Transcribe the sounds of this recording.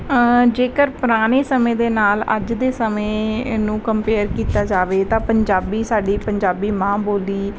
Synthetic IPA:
d͡ʒeːkəɾpʊɾaːɽ̃eːsəmẽːd̪eːnaːlə̰d͡ʒd̪eːsəmẽːnũːkəmpeːɾkiːt̪aːd͡ʒaːʋeːt̪ãːpəɲd͡ʒaːbiːsaːɖiːpəɲd͡ʒaːbiːmãːboːliː

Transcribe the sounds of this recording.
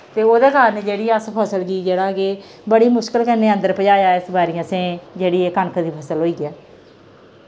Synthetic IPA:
t̪eːoːd̪eːkaːɾneːd͡ʒeːɽiːəspʰəsəlɡiːd͡ʒeːɽaːɡeː | bəɽiːmʊʃkəlkənːeːə̃nd̪əɾpəd͡ʒaːjaːɪsbaːɾiãːsẽːd͡ʒeːɽiːeːkəɳkʰd̪iːpʰəsəlɦoːiːɛː

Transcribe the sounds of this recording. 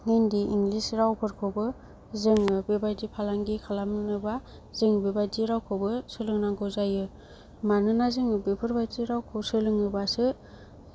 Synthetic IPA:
ŋendiiŋɡlisɾawpʰɯɾkʰobɯ | zɯŋɯbebajdipʰalaŋɡikʰalamnɯba | zɯŋbebadiɾawkʰobɯsɯlɯŋnaŋɡozajɯ | manɯnazɯŋɯbepʰɯɾbadiɾawkʰɯwsɯlɯŋɯbasɯ

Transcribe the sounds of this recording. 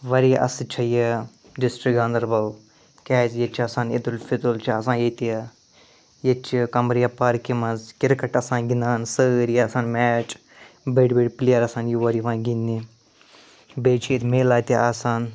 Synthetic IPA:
ʋɐɾiʔɐ̰sɨt͡ʃʰɐje | disʈɾikɡãːnd̪ɐɾbɐw | kɛːzjet͡ʃʰɐsãːnid̪ulfit̪ult͡ʃʰɐs̬ãːjeːt̪ijɐ | jet͡ʃʰikɐmɾjapaːɾkimɐzkɪɾkɐʈɐsãːɡinaːnsəːɾjasãːnmɛːt͡ʃ | beːɖbeːɖplijaɾɐsãːnjuʋɐɾiʋãːnɡinːi | beːt͡ʃʰiet̪meːlaːt̪iaːsaːn

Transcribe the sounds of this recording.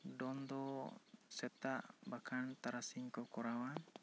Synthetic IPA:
dɔnd̪ɔsɛt̪aʔbakʰant̪aɾasiŋkɔkɔɾawan

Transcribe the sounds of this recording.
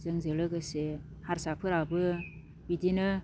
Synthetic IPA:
zɯŋzɯlɯkɯse | haɾsapʰɯɾabɯ | bidinɯ

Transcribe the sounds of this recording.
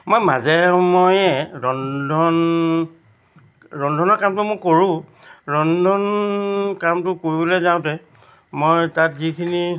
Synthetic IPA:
mojmazɛmojɛɹɔndʱɔn | ɹɔndʱɔnɔɹkamtʊmʊjkoɹʊ̃ | ɹɔndʱɔnkamtʊkoɹibolezãʊ̃tɛ | mojtatzikʰini

